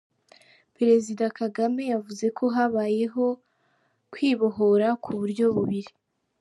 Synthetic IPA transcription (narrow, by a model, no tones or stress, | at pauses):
peɾe̞zidakaɡame̞javuze̞kʰo̞ɦaβaːje̞ɦo̞ | kwiːβoɦoɾakʰuβuɾɟo̞βuβiɾi